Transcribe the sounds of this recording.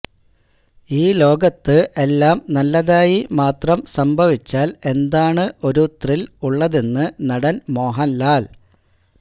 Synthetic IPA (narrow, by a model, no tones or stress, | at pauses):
iːlo̞ːɡɐt̪ːɨʔe̞lːaːmnɐlːɐðaːjimaːt̪rɐmsɐmbʱɐʋit͡ɕːaːle̞nd̪aːɳɨʔo̞ɾut̪riluɭːɐðenːɨnɐɽɐnmo̞ːɦɐnːaːl